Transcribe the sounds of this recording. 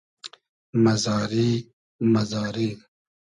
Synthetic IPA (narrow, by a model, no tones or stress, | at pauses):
mɐzɑːɾiː | mɐzɑːɾiː